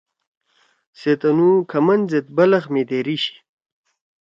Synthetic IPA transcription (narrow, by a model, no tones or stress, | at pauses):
set̪ɐnukʰɐmɐnzet̪̚bɐlɐxmed̪eɾiɕi̥